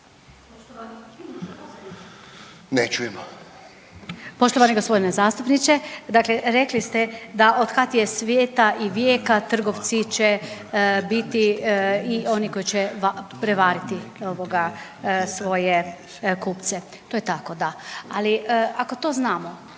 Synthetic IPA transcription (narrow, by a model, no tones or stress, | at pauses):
ono | net͡ʃuimo | poʃt̪oʋaneɡospo̞d̪inezaːst̪upnit͡ʃ̪ed̪aːkleɾeklist̪ed̪aʔo̞d̪kat̪jesʋjeːt̪aʔiʋjeːkat̪r̩ɡo̞ʋt̪sit͡ʃe | bit̪iio̞niko̞jit͡ɕeʋapɾeʋaːɾit̪ioʋoɡasʋo̞je | kuːpt̪se | t̪ojet̪akod̪aaliako̞t̪oːznaːmo